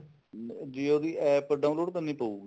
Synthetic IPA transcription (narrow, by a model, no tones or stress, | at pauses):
d̪ioːd̪iːʔɛːpəɖãːʊ̃loːɖk̪ənːĩːpəuːɡi